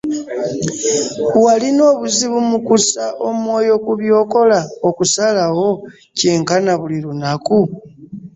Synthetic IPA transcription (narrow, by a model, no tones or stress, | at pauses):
walino̞ːβuziβumukusaʔomwo̞ːjo̞kuβjo̞ːko̞laokusalawo̞ | ce̞ːŋkanaβuliɾunaku